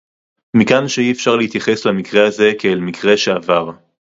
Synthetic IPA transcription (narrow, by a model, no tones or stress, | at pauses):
mikanʃeiefʃaʁleit̪jaχe̞slamikʁe̞haze̞keːlmikʁe̞ʃe̞avaʁ